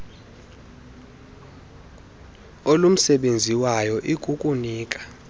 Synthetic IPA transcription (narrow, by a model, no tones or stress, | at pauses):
olum̩sɛɓend͡zʱiwajɔʔikʼukʼuniːkʼḁ